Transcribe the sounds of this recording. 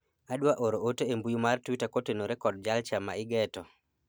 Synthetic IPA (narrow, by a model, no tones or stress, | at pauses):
aɗwaʔoɾootoembujumartwitakotenoɾɛkɔd̚d͡ʒalt͡ʃama̰ɪɡɛtɔ